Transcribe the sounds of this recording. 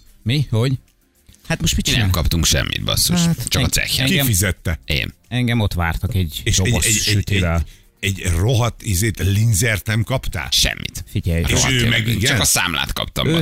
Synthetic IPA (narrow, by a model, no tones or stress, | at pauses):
mihoɟ | hat̪moʃ̚pit͡ʃik̪nɛmkɒpt̪uŋkʃɛ̰mːʔḭd̪̚bɒ̰sːoat̪t͡ʃɒkɒsɛ̰xːɛ̰ŋkiɡɛfizɛt̪ːɛḛːnɛŋɡɛmo̞t̪ʋa̰ːrt̪ɒkɛɟeːʃoɛmɛɛyt̪edɛl | ɛɟroɦɒt̪izeːt̪linzɛrt̪nɛmkɒpt̪a̰ːlʃɛ̰mːḭt̪fiɟɛjɾeoʃøːmɛɡiɡt͡ʃnkɒsa̰ːmla̰ːt̪kɒ̰p̚t̪ɒ̰mø